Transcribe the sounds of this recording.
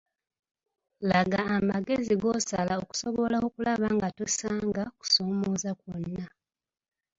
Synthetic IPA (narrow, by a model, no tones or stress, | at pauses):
laɡaːmaɡe̞ziɡo̞salaoku̥so̞βo̞laokulaβaːŋɡatusaːŋɡaku̥so̞ːmoːzakwonːa